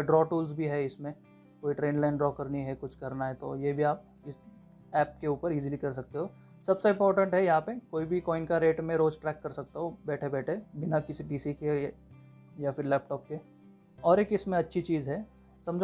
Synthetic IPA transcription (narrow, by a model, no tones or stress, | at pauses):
ɖɾɔːʈuːlsbʱiɦɛɪsmẽ | koːiʈɾẽːnlaːɪnɖɾɔːkɐɾniɦɛkʊt͡ʃʰkɐɾnaɦɛt̪ojebʱiaːp̚ | ɪ | ɛːp̚keuːpəɾiːzilikɐɾsɐk̚t̪eɦoː | sɐbseɪ̃mpɔːɾʈə̃ɳʈɦɛjɐɦãpekoːibʱikɔːɪnkaɾeːʈmẽɾoːd͡ʒʈɾɛːkːɐɾsɐk̚t̪aɦobɛːʈʰebɛːʈʰebɪnakɪsiɖiːsike | jafɪɾlɛːp̚ʈɔːp̚ke | ɔːɾeːkɪsmẽɐtːʃʰit͡ʃiːzɦɛː | sɐ̃md͡ʒʱ